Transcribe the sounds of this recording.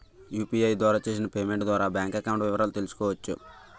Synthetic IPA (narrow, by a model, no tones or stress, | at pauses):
juːpiːɐjd̪ʋaːɾaːt͡ʃe̞ːs̬inɐpe̞ːme̞ɳʈd̪ʋaːɾaːbjaːŋkɐkɐwuɳʈʋɪʋɐɾaːlut̪e̞lusu̥kɔːʋɐt͡ʃːṵ